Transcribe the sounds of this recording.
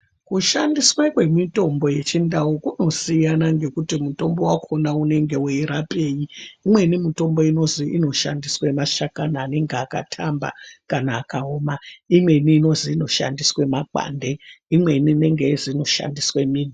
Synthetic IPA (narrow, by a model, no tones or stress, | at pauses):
kuʃandiswekwe̞mito̞mbo̞je̞t͡ʃindaokuno̞sijanaŋɡe̞kutimuto̞mbo̞wakʰo̞naune̞ŋɡe̞weiɾape̞ːjiːmwe̞nimito̞mbo̞ino̞ziʔino̞ʃa̰ndiswemaʃakanaːne̞ŋɡeaka̰tʰamba̰kanaːkaoːmaimwe̞iniːno̞ziːno̞ʃa̰ndiswemaǃa̰nde̞imwe̞inine̞ŋɡeizino̞ʃa̰ndiswemiːni